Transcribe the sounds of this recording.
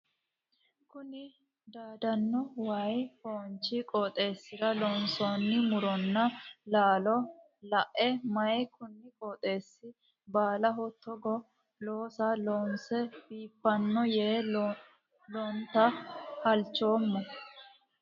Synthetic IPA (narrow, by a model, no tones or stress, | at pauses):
kʊnɪ | d̪aːd̪ɐnːɔwɐjhoːnt͡ʃːɪkʼɔːt̪ʼe̞ːsːɪɾɐlɔnsoːnːɪmʊɾɔnːɐlaːlɔ | lɐʔɛmɐjɛkʊnːɪkʼoːt̪ʼe̞ːsːɪ | baːlɐɦɔt̪ʰːɔɡɔ | loːsɐloːnsɛb̥iːpːɐnːɔjeː | lɔnt̪ɐhɐlt͡ʃːo̞ːmːɔ